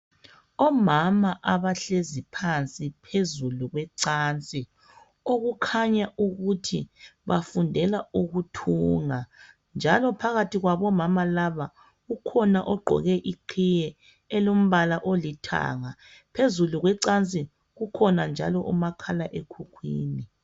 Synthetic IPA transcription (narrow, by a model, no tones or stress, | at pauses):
ɔmamaʔaβaɬezipʰant͡sʼipʰezuluɣwɛǀaːnt͡sʼi | oɣukʰaɲauɣutʰiβafundʱɛlauɣutʰuŋa | nd͡ʒʱalɔpʰaɣatiɣwaβɔmamalaβa | ɣukʰɔnaʔɔɡ͡ǃʱɔ̰ɣɛʔiǃʰijɛ | ɛlom̩βalaʔolitʰa̰ŋapʰezuluɣwɛǀant͡sʼi | ɣukʰɔnand͡ʒʱalɔʔumakʰalaʔekʰukʰwḭːni